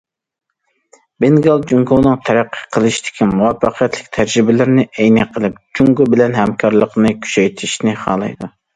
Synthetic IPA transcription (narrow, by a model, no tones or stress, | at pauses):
bɪnɡɑlˠd͡ʒuŋɡunɨŋt̪ʰɛɾæqʰːə̥qʰəlˠɨʃt̪ʰɪ̥kʲʰimuwɑfːɑqʰjɛt̪lɪkʲt̪ʰæd͡ʒɾɪbɪlɪɾnɪʔɛjnɛqʰːəlˠɨp̚d͡ʒuŋɡʊbɪlɛnhɛmkʰɑɾlˠəqnɨkʲʰy̥ʃɛjt̪ʰɪʃnɪχɑ̰ːlˠɨ̰jd̪u